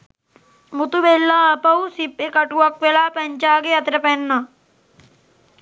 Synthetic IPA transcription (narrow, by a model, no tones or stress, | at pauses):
mut̪uʋelːɐɐpɐwsipːekɐʈuɐkʋelaːpɐɲt͡ʃaːɡeɐt̪ɾɐpenːɐ